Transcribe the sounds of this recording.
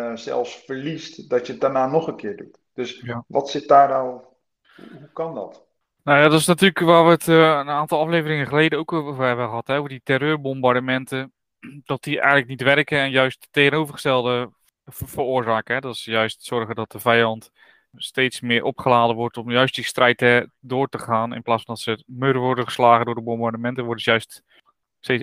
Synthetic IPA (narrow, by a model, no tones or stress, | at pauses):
sɛ̰lˠfsfəɹlistdɔtjət̚daɹnaːnɔχənkɪːɹdut | d̥øsjaʋɔtsɪt̚daːɹdaw | uɦukɑndɔ̰t | nawjaːdɔtɪsnatyːləkʋaːɹʋətənaːntɑlˠɑflejvərɪŋəχəleːdənowkovəɦɛbəəχəɦɑtɦɛovəditɛrøːrbɔmbardəmɛntə | d̥ɔt̚diʔɛ̰jələknitʋɛrkəɛnjœɥstːeːɣənowvərχəstɛlˠdə | vərʊːrzaːkəɦɛdɔtsəjœɥstsɔrɣədɔt̚dəvɛjɑnt | steːtsmɪːrʔɔpχəlaːdəʋɔrtɔmjœɥstdistrɛjtədʊːrtəχaːnɪ̰nplaːsfɔndɔtsəmøɾəʋɔrdəχəslaːɣədʊːɹdəbɔmbardəmɛntəʋɔrdəsjœɥst | te